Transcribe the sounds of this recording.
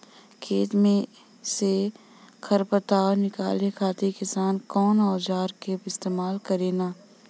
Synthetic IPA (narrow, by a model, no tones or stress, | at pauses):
kʰeːt̪mẽ | se | kʰɐɾpət̪aːɾnɪka̰ːlekʰaːt̪ikɪsaːnkɔːnɔːd͡ʒaːɾkebɪst̪eːmaːlkɐɾeːnaː